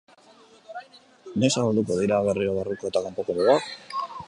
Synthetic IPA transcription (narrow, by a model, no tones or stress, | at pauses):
ne̞saɣald̪uko̞ð̞iɾaβ̞e̞rioɣariko̞e̞t̪akampo̞koβeβak